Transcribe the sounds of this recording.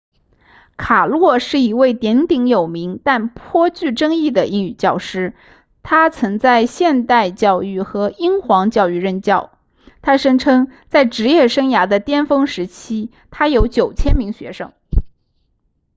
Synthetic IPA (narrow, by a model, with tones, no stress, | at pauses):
kʰa˨˩lwɔ˥˧ʂɻ̩˥˩i˧˥we˥˩ɪt̪jɛ˧˥nt̪i˧˥ŋjo˨˩ʊmi˧˥ŋt̪a˥˩npʰwɔ˥t͡ɕy˥˩ʈ͡ʂɤ˥ŋi˥˩d̪ə˩i˥ŋy˨˩t͡ɕjɑ˥˩ʊʂɻ̩˥ | t̪ʰa˥t͡sʰɤ˧˥ŋt͡sa˥˧ɪɕjɛ˥˧nt̪a˥˧ɪt͡ɕjɑ˥˧ʊy˥˩xɤ˧˥i˥ŋxwɑ˧˥ŋt͡ɕjɑ˥˧ʊy˥˧ɻə˥˧nt͡ɕjɑ˥˩ʊ | t̪ʰa˥ʂɤ˥ŋʈ͡ʂʰɤ˥ŋt͡sa˥˩ɪʈ͡ʂɻ̩˧˥jɛ˥˩ʂɤ˥ŋja˧˥d̪ə˧t̪jɛ˥nfɤ˥ŋʂɻ̩˧˥t͡ɕʰi˥ | t̪ʰa˥jo˧˥ʊt͡ɕjo˨˩ʊt͡ɕʰjɛ˥nmi˧˥ŋɕɥɛ˧˥ʂɤ̰˥ŋ